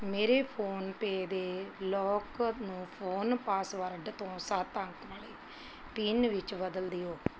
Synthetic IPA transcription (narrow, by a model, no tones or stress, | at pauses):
meːɾeːpʰoːnpeːd̪eːlɔːknũːpʰoːnpaːsʋəɾɖt̪õːsat̪əŋkʋaːleː | piːnʋɪt͡ʃbəd̪əld̪iːoː